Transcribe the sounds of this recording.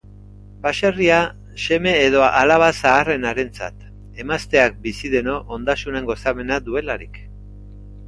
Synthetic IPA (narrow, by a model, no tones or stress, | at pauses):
baʃeria | se̞me̞ːð̞o̞ʔalaβ̞asaːre̞naɾe̞nt͡sa̰t̪ | e̞mast̪e̞ak̚bisiðe̞no̞ʔond̪asune̞ŋɡo̞saβe̞naðue̞laɾḭk